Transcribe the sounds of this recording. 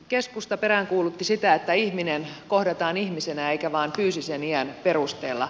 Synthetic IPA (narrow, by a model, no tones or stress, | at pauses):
keskust̪ɑpeɾæŋkuːlut̪ːisit̪æet̪ːæihminenkohdɑt̪ɑːnihmisenæeikæʋɑːmpyːsiseniænperust̪ḛːlːɑ̰